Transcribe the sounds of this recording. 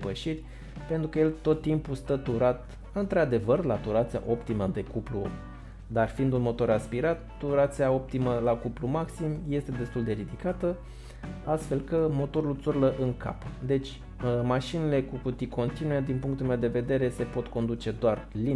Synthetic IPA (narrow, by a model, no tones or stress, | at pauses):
pəʃirʲ | pe̞nt̪ɾukəje̞lt̪o̞t̪ːimpust̪ət̪uɾat̪ | ɨnt̪ɾead̪e̞vərlat̪uɾat̪sia̰ʔo̞pt̪iməd̪e̞kuplu | d̪arfiːnd̪unmo̞t̪o̞ɾaspiɾat̪ːuɾat̪siao̞p̚t̪iməlakuplumaksimje̞st̪e̞d̪e̞st̪uld̪e̞ɾid̪ikat̪ə | ast̪fe̞lkəmo̞t̪o̞ɾult̪surləʔɨŋkʰa̰pd̪e̞t͡ʃʲ | maʃinile̞kukut̪ikʰo̞nt̪inujed̪inpuŋkt̪ulmewd̪e̞ve̞d̪e̞ɾe̞se̞po̞t̪ko̞nd̪ut͡ʃe̞d̪oarli